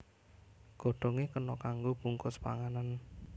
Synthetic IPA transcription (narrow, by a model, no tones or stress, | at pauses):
ɡ̥ɔ̤ɖ̥ɔ̤ŋekənɔkaŋɡob̥uŋkʊspa̰ŋanan